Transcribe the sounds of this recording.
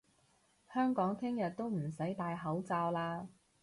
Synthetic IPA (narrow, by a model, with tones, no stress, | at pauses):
hœː˥ŋkɔː˨˥ŋt̪ʰɪ˥ŋjɐ˨t̚t̪o˥wm̩˨˩sɐ˨˥jt̪aː˨˧jɦɐ˨˥wt͡saː˧wlaː˧